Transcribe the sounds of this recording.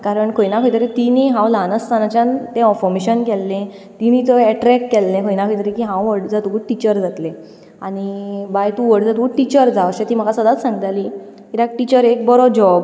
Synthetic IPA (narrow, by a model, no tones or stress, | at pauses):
kaɾəɳkʰojnakʰojt̪əɾit̪iniɦãwlanəst̪anat͡ɕjant̪ẽɔfɔɾmeɕənkɛlːẽ | t̪init̪ɔɛʈɾɛkːɛlːẽkʰojnakʰojt̪əɾikiɦãwʋəɽd͡zat̪uɡuʈit͡ɕəɾd͡zat̪lẽ | aɽ̃ibajt̪uʋəɽd͡zat̪uuʈit͡ɕəɾd͡zaəɕet̪iːm̤əɡasəd̪at͡s̪sãŋɡət̪aliːkiɾak̚ʈit͡ɕəɾek̚bɔɾɔd͡ʑɔb